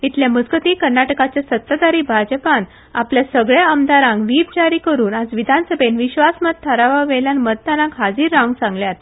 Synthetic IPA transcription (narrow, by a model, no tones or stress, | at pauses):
it̪ljaməd͡zɡət̪ikəɾnaʈəkat͡ɕjasət̪ːad̪aɾiːbʱad͡ʑəpan | a̰pljasəɡɭjaəmd̪aɾãŋɡʋiːp̚d͡ʑaɾiːkəɾuːnad͡zʋid̪ʱansəbʱenʋiɕʋasmət̪̚t̪ʰːəɾaʋaʋɛljanməd̪̚t̪anãkɦad͡ziːɾːãŋɡsãŋɡljat̪